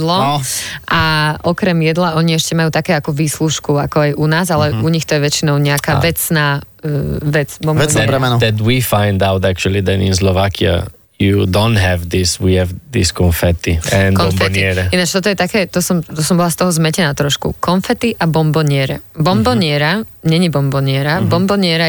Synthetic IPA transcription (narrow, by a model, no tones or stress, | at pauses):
lɔʔaɔkɾɛmjɛd̪laɔɲiɛʃcɛmajuːt̪akɛːakɔʋiːsluʃkuakɔajʔunaːzalɛuɲixt̪ɔjɛʋɛt͡ʃinɔʊɲɛakaːʋɛt͡snaː | ʋɛt͡sbɔmɛɔɛbɾɛmɛnɔdɛt̪wifãɪndaʊtæk̚t͡ʃulˠiðɛnɪ̰̃ns̬lɔʋakʰia̰ | judõʊntɦɛvðɪswiɛvðɪskɔ̃nfɛt̪iɛ̃nkɔfɛniɛɾɛinat͡ʃt̪ɔt̪ɔjɛt̪akɛːt̪ɔsɔmt̪ɔsɔmbɔlast̪ɔɦɔzmɛcɛnaːt̪ɾɔʃkṵkɔnfɛt̪iʔabɔmbɔɲɪɛɾɛbɔmbɔɲɪɛɾaɲɛɲibɔmbɔɲɪɛɾabɔmbɔɲɪɛɾa